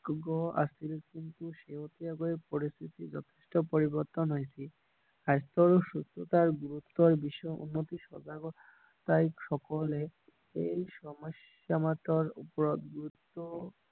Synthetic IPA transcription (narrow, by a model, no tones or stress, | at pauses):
ɡɔa̰silkint̪uʃeɦot̪iaɡoepoɾist̪ʰit̪id͡ʑɔt̪ʰeʃʈopoɾibɔɾt̪onɦojt͡ɕʰi | ast̪ɔɾoʃust̪ʰot̪aɾɡuɾut̪ːɔɾbiʃɔṵnːot̪iʃɔd͡ʒaɡɔ | t̪ajkʃɔkole | ejʃɔmoʃːamat̪ɔɾupɔɾɔt̪ɡuɾut̪ːo